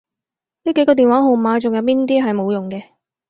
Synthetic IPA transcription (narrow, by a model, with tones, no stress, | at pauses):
niː˥ke˨˥jkɔ˧t̪iː˨nwaː˨˥ɦo˨wmaː˨˧t͡sʊ˨ŋjɐ˨˧wp̬iː˥nt̪iː˥ɦɐ˨jmo˨˧wjʊ˨˩ŋkɛː˧